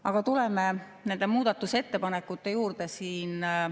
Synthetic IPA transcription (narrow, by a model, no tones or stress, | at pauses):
ɑɡ̥ɑt̪ulɛme | ne̞nd̪̥e̞muːd̪̥ɑt̪ːˑuse̞t̪ːe̞pɑnekːˑut̪ːe̞juːrd̪̥e̞siːn